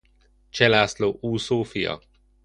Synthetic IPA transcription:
t͡ʃɛlaːsloːʔuːsoːfijɒ̰

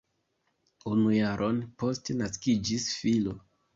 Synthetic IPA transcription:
unujaɾʔo̞npo̞stenaskid͡ʒisfilo

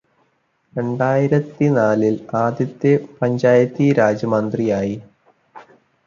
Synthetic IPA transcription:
ɾe̞ɳɖaːjiɾɐt̪ːinaːlilaːd̪jɐt̪ːepɐɲd͡ʑaːjɐt̪ːiɾaːd͡ʑɐmɐnd̪rijaːji

